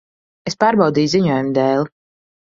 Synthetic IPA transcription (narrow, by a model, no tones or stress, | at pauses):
espaːɾbɑwd̪iːjziɲuɔjumd̪ɛːlˠ